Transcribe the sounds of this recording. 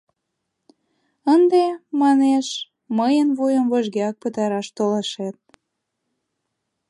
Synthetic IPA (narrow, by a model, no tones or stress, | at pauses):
ənd̪emɑneʃ | məjənβujəmvoʒɣeɑk̚pət̪ɑɾɑʃt̪oləʃet̪̚